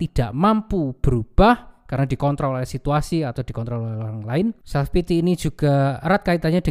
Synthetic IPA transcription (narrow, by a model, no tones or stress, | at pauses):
t̪id̥aʔmampub̥ə̤ɾub̥ahkarnad̥̪ikɔnt̪ɾɔlsit̪uasiat̪ad̪̥ikɔnt̪ɾɔloɾaŋlaɪnsapit̪iːni̥d͡ʒ̥ṳɡ̥aɾat̪̚kait̪aɲad̥ə